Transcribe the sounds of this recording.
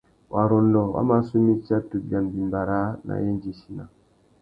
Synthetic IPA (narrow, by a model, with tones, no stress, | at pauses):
wa˨ɾo˨n̩˦dɔ˨wa̰˦ma˦su˦mi˦t͡ʃa˦tu˨bja˨m˨bi˨m˨ba˨ɾa˦na̰˨je˦n˦d͡ʒi˦ʃi˨na˨